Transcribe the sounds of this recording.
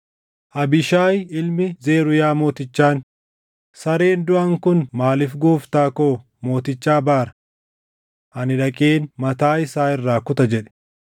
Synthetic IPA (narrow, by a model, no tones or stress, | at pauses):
ʔɐbɪʃaːjɪlmɪzeːɾʊjaːmo̞ːt̪ɪt͡ʃːaːn | sɐɾeːnd̪ʊʔɐŋkʊnmaːlɪfɡuːft̪aːkoː | mo̞ːt̪ɪt͡ʃːaːbaːɾɐ̥ | ʔɐnɪᶑɐkʼeːnmɐt̪aːɪsaːɪrːaːkʊt̪ɐd͡ʒɛᶑɛ̥